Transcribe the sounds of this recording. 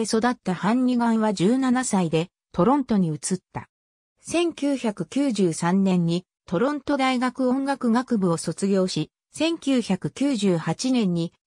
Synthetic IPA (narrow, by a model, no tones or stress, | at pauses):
eso̞d̪at̪ːahãɲːiɡãɰ̃βad͡ʑɨːnanasaid̪e̞ | t̪o̞ɾõ̞nt̪o̞ɲ̟iɯ̟t͡sɨt̪ːa̰ | sẽ̞ŋkʲɨːçakɯ̟kʲɨːʑɨːsãnːẽ̞ɲ̟ːi | t̪o̞ɾõ̞nt̪o̞d̪aiɡakɯ̟õ̞ŋɡakɯ̟ɡakɯ̟bɯ̟o̞so̞t͡sɨɡʲo̞ːɕi | sẽ̞ŋkʲɨːçakɯ̟̥kʲɨːʑɨːhat͡ɕinẽ̞ɲ̟ːi